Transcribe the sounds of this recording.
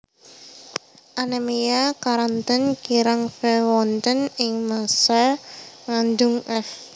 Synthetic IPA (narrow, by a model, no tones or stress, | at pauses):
ʔanamijakaɾant̪ənkiɾaŋfɛwɔnt̪ənɪŋmasaŋand̪ʊŋʔɛf